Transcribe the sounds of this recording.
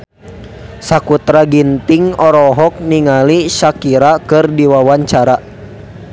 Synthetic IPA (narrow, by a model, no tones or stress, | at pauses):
sakut̪ɾaɡint̪iŋɔɾɔɦɔk̚niŋaliʃakiɾakɨrdiwawaɲt͡ʃaɾa